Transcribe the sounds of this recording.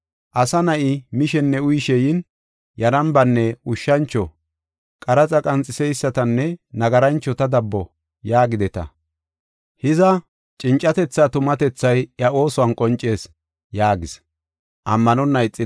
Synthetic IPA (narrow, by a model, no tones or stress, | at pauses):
ʔɐsɐnɐʔɪmɪʃɛnːɛʊjʃɛjɪn | jɐɾɐmbɐnːɛʊʃːɐnt͡ʃːɔ | kʼɐɾɐt͡sʼɐkʼɐnt͡sʼːɪsɛjsːɐt̪ɐnːɛnɐɡɐɾɐnt͡ʃːɔt̪ɐd̪ɐbːɔ | jaːɡɪd̪ɛt̪ɐ̰ | hɪzɐ | t͡ʃʼɪnt͡ʃʼːɐt̪ɛt͡sːaːt̪ʊmɐt̪ɛt͡sːɐjɐo̞ːsɔwɐnkʼɔnt͡ʃʼːe̞ːs | jaːɡɪs | ʔɐmːɐnɔnːɐjt͡sʼːɪ